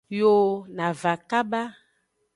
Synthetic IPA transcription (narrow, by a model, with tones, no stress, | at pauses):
jo˦na˨va˨ka˦ba˦